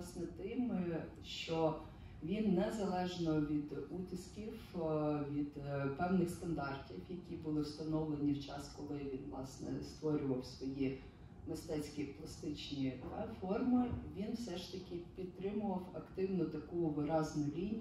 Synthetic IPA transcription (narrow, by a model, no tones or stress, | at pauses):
snɛt̪ɪm | ʃt͡ʃɔ | ʋʲinːɛzɐlˠɛʒnɔʋʲid̪ut̪ɪskʲiwʋʲid̪pɛwnɪxst̪ɐnd̪ɑrtʲiwjɐkʲibʊlˠɪwst̪ɐnɔwlˠenʲiwt͡ʃɑskɔlˠɪʋʲinʋlˠɑ̰snɛ̰st̪ʋɔɾʲʊʋɐwsʋɔji | mɪst̪ɛt͡sʲkʲiplˠɐst̪ɪt͡ʃnʲifɔrmɪʋʲinwsɛʃt̪ɐkʲɪpʲid̪̚t̪ːɾɪmʊʋɐwɐkt̪ɪwnɔt̪ɐkuʋɪɾɑznʊlʲinʲ